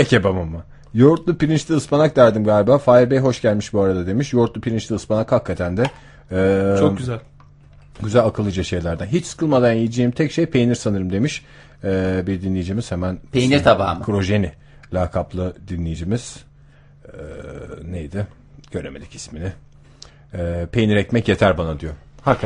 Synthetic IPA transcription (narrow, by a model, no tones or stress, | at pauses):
ecebamamːa | jo̞ɾt̪lˠupiɾint͡ʃlʲiɯspanak̚d̪æɾd̪imɡaːlʲibaːfaːiɾbejɦo̞ʃɟælʲmiʃbuaɾad̪ad̪e̞miʃjo̞ɾt̪lˠupʰiɾint͡ʃlʲiɯspanakhakːat̪ʰænd̪ɛ | oɟyzælʲ | ɟyzælʲakʰɯlˠɯd͡ʒaʃe̞jlʲæɾd̪anɦit͡ʃsɨ̥kʰɯlˠmad̪anjijid͡ʒijimt̪ʰɛcʃejpʰe̞jniɾsanɯɾɯmd̪e̞miʃ | ɛːbiɾd̪inlʲejid͡ʒimiz̥hemænpʰejniɾt̪ʰaba̰ːmɯkʰɾo̞ʒeni | lʲaːkʰaplˠɯd̪inlʲejid͡ʒimiz̥ | ɛnejd̪ɪ | ɟ̥øɾemed̪icʰi̥sminɪ | pʰe̞jniɾɛcmɛcje̞t̪ʰæɾbanad̪ijohak